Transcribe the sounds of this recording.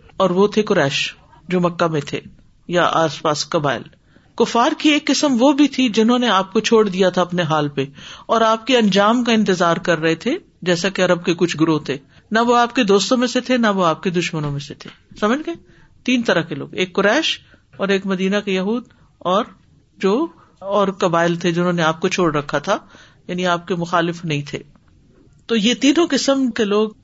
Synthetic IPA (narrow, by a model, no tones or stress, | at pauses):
ɔːɾʋot̪ʰekʊɾɛːʃ | d͡ʒoːmɐkːamẽt̪ʰḛ | jaʔa̰ːspaːskɐba̰ːɪl | kʊfaːɾkieːkːɪsəmʋobʱit̪ʰid͡ʒɪnɦõneaːp̚kot͡ʃʰoːɽd̪ijat̪ʰaɐpneɦaːlpeɔːɾaːp̚keɐ̃nd͡ʒaːmkaɪ̃nt̪ɪzaːɾkɐɾːɐɦet̪ʰe | d͡ʒɛːsakeɐɾəb̚kekʊt͡ʃʰɡʊɾot̪ʰeː | naʋoaːp̚ked̪oːst̪õmẽset̪ʰenaʋoaːp̚ked̪ʊʃmənõmẽset̪ʰḛːsɐməd͡ʒɡe | t̪iːnt̪ɐɾəɦkelo̰ːɡeːkːʊɾɛːʃ | ɔːɾeːkmɐd̪iːnakejɐɦuːd̪ | ɔːɾ | d͡ʒoː | ɔːɾkɐbaːɪlt̪ʰed͡ʒɪnɦõːneaːp̚kot͡ʃʰoːɽɾɐkʰːat̪ʰa | jaːniaːp̚kemʊxaːlɪfnɐɦĩt̪ʰḛː | t̪oːjet̪iːnõkɪsəmkeloːɡ